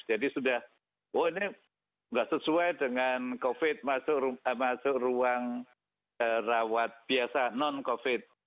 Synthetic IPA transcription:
d͡ʒadisudah | woinɪ | ŋɡaʔsəsuajdəŋankofɪt̪̚masʊʔmasʊʔruaŋ | ərawat̪̚b̥iasanɔnkofɪt̪̚

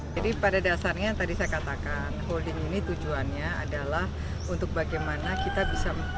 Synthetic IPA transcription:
adipadadasarɲat̪adisajakat̪akanɦoldɪŋinit̪ud͡ʒuanɲaadalah | unt̪ʊk̚baɡajmanakit̪abisam

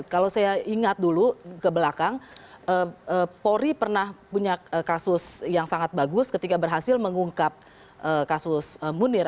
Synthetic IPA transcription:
kalosajaʔiŋat̪̚dulukəbəlakaŋəəpoɾipərnahpuɲaəkasʊsjaŋsaŋat̪̚baɡʊskət̪ikabərɦasɪlməŋuŋkap̚ | ʔəkasʊsəmunɪr

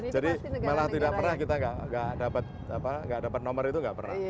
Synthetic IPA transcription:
d͡ʒadimalaht̪idaʔ̚pərnahkit̪aŋɡaʔŋɡaʔdapat̪̚apaŋɡaʔdapat̪̚nɔmərit̪uŋɡaʔpərna̰h

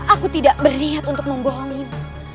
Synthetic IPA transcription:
ʔakut̪idaʔbərniat̪unt̪ʊk̚məmboɦɔŋɪn

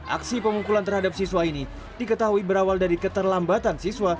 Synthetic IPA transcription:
ʔa̰ksipəmukulant̪ərhadap̚siswaini | dikət̪aɦuibəɾawaldaɾikət̪ərlambat̪ansiswa

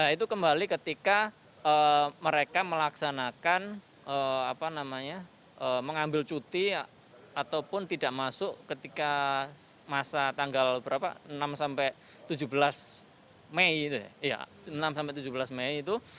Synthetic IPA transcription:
ait̪̬ukəmbalikət̪ika | əməɾekaməlaksanakan | əapanamaɲa | əməŋambɪlt͡ʃut̪i | at̪awpʊnt̪idaʔmasʊʔkət̪ika | masat̪aŋɡalbəbəɾapa̰ənamsampɛʔ | t̪ud͡ʒubəlas | meit̪uja̰ja̰ | namsampɛʔt̪ud͡ʒubəlasmeiːt̪u

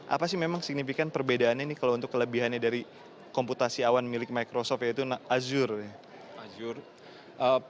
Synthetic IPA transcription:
ʔa̰pasɪhmemaŋsik̚nifikanpərbedaːnɲanɪhkalaunt̪ʊkːələbiɦanɲadaɾi | kɔmput̪asiawanmilɪk̚majkɾosɔft̪jait̪unaazʊrnɪ | ad͡ʒʊr | ʔə

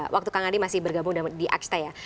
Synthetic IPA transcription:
wak̚t̪ukaŋadimasɪhbərɡabʊŋdadiʔa̰kst̪aja

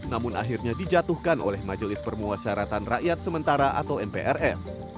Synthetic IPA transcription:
namʊnʔa̰ɦirɲadid͡ʒat̪uhkanʔo̰lɛhmad͡ʒolɪspərmuasaɾat̪anraʔjat̪̚səmənt̪aɾaʔa̰t̪awɛmpḛʔɛrɛs

